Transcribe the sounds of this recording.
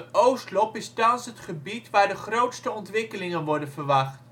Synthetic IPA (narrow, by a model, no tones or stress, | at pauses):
owstlɔpɪstɑnsɦətχəbitʋaːɹdəχrowtstəɔntʋɪkəlɪŋənʋɔɹdənvəɹʋɑχt